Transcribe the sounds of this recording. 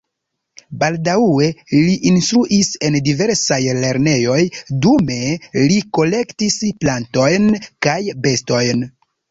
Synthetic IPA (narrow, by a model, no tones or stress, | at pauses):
baldawe̞liʔinstɾuʔise̞ndive̞ɾsajle̞ɾne̞jo̞jdume̞liko̞le̞ktisplanto̞jnkajbe̞sto̞jn